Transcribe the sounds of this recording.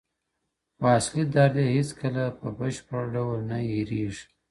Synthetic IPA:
fɑːslid̪ɑɾd̪ehɪskəlapəbəʃpəɾɖawəlnaeɾeʐi

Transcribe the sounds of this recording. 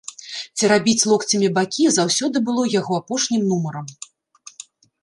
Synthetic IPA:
t͡sʲiɾabʲit͡sʲlˠɔkt͡sʲɐmʲibakʲizawsʲɔd̪ɨbɨlˠɔjaɣɔapɔʂnʲimnumɐɾɐm

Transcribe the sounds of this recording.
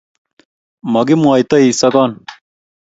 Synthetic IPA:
mɐɡimuaːjt̪ɐiːsɐkɑːn

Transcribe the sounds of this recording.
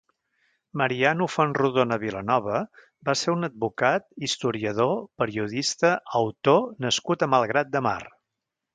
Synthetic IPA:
məɾianufonruðonəβilənɔβ̞ə | baseɾunəd̪̚bukat̪ist̪uɾiəðopəɾiuðist̪əəwt̪onəskut̪əməlˠɣɾat̪̚d̪əma̰r

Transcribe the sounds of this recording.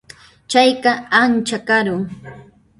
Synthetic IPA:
t͡ʃajɢɑant͡ʃakaɾʊŋ

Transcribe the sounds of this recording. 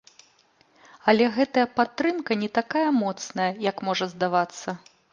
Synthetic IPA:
ɐlʲɛɣɛt̪ɐjɐpat̪ːɾɨmkɐnʲɛt̪akajɐmɔt̪snɐjɐjɐkmɔʐɐzd̪avat̪sːɐ

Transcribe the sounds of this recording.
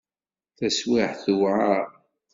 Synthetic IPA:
θæswɪħθuwʕa

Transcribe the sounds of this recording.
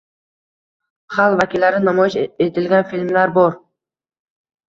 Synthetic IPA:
χalˠvakʲʰilːaɾɪnamɒjɪʃet̪ʰɪlɡʲanfilʲmlaɾbɒɾ

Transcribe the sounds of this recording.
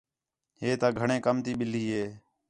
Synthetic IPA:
ɦeːt̪aːɡʱəɳẽːkəmt̪iːɓɪliːɦeː

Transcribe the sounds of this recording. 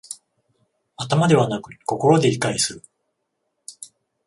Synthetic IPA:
at̪amad̪e̞βanakɯ̟ko̞ko̞ɾo̞d̪e̞ɾʲikaisɨɾɯ̟

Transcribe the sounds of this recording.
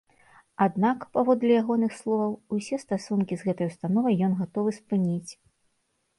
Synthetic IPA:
ad̪nakpavɔd̪lʲɐjaɣɔnɨxslˠɔvɐwusʲɛst̪asunkʲizɣɛt̪ɐjust̪anɔvɐjːɔnɣat̪ɔvɨspɨnʲit͡sʲ

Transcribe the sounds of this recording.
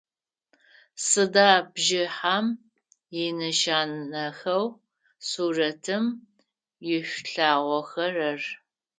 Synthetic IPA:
sɨdaːbʒɪħaːm | jɪnɨʃaːnːɐxɐw | suːrɐtʰɨm | jɪɕʷɬaːʁʷɔxɐrɐr

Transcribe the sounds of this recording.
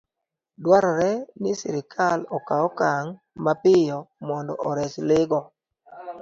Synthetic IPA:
dwaɾɔɾɛnɪsɪ̰ɾɪkʰalɔkaɔkaŋ | mapɪjɔmɔndɔ̰ʔɔɾɛslɪɡɔ

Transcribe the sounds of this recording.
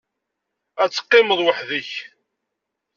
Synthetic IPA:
æt͡sːə̥qːɪməðˤwəħðəç

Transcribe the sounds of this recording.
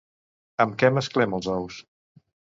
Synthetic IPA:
əmkɛməsklɛməlˠzɔws

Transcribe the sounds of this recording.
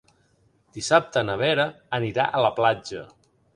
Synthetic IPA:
d̪̥isap̚t̪ənəβ̞eɾəː | niɾa̰ʔələplad͡ʒə

